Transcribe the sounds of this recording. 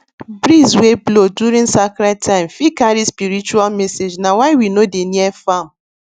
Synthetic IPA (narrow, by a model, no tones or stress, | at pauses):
bɾizswebloduɾĩnsakɾatʰaɪ̃mfikaɾispiɾit͡ʃualmesed͡ʒnawaɪwinodeniefam̩